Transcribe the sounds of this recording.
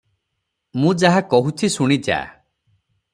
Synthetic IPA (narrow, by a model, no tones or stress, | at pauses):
mũd͡ʒaɦakɔɦutʰisuɽ̃id͡ʒa̰